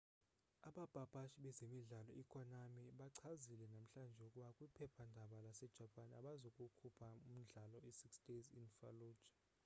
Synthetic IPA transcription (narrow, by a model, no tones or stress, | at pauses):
aɓab̥ʱab̥ʱaʃiɓɛzemiɮalɔʔikʰʼɔnamiɓaǀʰazilɛnam̩ɬand͡ʒʱɛukʼuɓakʼwipʰɛpʰandʱaɓalasɛd̥ʒ̥ʱapʼana̰ɓazokʼukʰupʰaum̩ɮalɔisiksd̥ezinfaluːd̥ʒ̥ʱḁ